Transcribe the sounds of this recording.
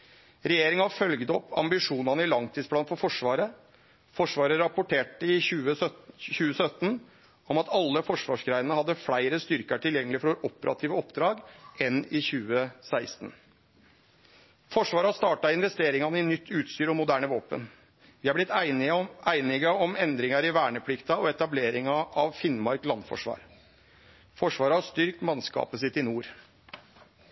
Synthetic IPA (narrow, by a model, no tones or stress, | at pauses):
ɾɛjeːɾɪŋɑɑfœlɡd̪ɔpʰːɑ̰mbɪʂuːnɑnəɪlɑŋt̪ʰiːspʰɽɑːnfɔɾfɔʂʋɑːɾə | fɔʂʋɑːɾəɾɑpʊʈeːʈəɪʉːəçʉːəsœt̪ːn | ɔmɑt̪ʰɑlːəfɔʂʋɑ̰ːʂɡɾæɪənəhɑd̪ːəfɽæɪɾəst̪ʏɾkəʈʰɪljɛŋːəlɪfɔɾʋoːɾʔɔpəɾʔɑ̰t̪ʰiːʋəɔpːd̪ɾɑːɡɛnɪçʉːəsæɪst̪n | fɔʂʋɑːɾɑst̪ɑːʈɑɪnʋɛst̪eːɾɪŋɑnəɪnʏt̪ʰːʉːt̪st̪yːɾɔmːʊd̪æːɳəʋoːpə̰n | ʋɪːɑblɪt̪ː | æɪnɪɡəɔmɛnd̪ɾɪŋɑɾɪʋæːɳəpʰlɪkt̪ɑɔɛt̪ɑbleːɾɪŋɑʔɑʋfɪnmɑɾklɑnfɔ̰ʂʋɑ̰ːɾ | fɔʂʋɑːɾəɑst̪ʏɾkk̪mɑnskɑ̰ːpəs̬ɪt̪ːɪnuːɾ